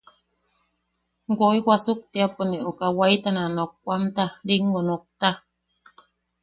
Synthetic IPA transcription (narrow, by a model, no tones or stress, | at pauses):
ɡoiwʷasuk̚t̪iaponiʔukawait̪ananok̚ːʷamt̪aɾiŋɡonok̚t̪a